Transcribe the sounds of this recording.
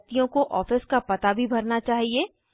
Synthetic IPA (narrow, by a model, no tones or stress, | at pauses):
t̪ijõkoʔɔːfɪskapɐt̪abʱibʱɐɾnat͡ʃaːɦieː